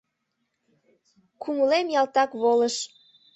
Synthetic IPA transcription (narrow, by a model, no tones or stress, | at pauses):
kuməlemjɑlt̪ɑkβoləʃ